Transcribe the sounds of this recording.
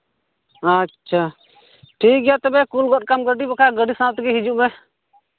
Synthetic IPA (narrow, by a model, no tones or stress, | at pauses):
ətːʃʰa | ʈʰik̚ɡɛjat̪ɛbɛkulɡɔt̚kamɡəɖibɛkʰaɡəɖisãt̪ɡiɦid͡ʒuʔmɛ